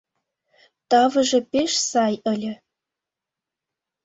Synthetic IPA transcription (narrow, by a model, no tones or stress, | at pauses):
t̪ɑvɤ̆ʒɤ̆peʃsɑjə̆lʲɘ̆